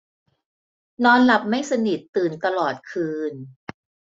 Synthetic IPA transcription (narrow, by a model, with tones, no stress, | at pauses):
nɔː˧nla˨˩p̚ma˥˩jsa˧ni˨˩t̪ːɯː˨˩nt̪a˧lɔː˨˩t̪̚kʰɯː˧n